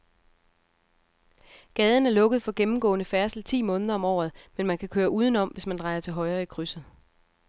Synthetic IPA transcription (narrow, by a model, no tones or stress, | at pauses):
ɡ̥ɛːð̞ˠn̩æɐlɔ̽ɡ̥ð̞̩ˠfɒ̽ɡ̥emm̩ɡ̥ɔ̰̽ːnəfæɐsl̩t͡sʰḭːmɔ̽ːnəð̞ˠɐɒ̽mɒ̰ːð̩ˠmenmænkʰækʰøːɐʔuːð̞ˠn̩ɒ̽m̰ʋe̝smænd̥ʁɑ̈ɪɐt͡sʰe̝lɦɒ̽ɪʁɐːikʰʁysð̩ˠ